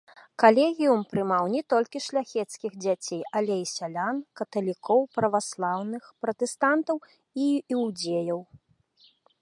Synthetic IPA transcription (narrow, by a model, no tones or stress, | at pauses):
kalʲeɣʲijumpɾɨmawnʲɛt̪ɔlʲkʲiʂlʲaxʲɛt̪skʲixd͡zʲat͡sʲejɐlʲeisʲalʲankɐt̪ɐlʲikʰɔwpɾɐvaslˠawnɨxpɾɐt̪ɛst̪ant̪ɐw | iiwd͡zʲejɐw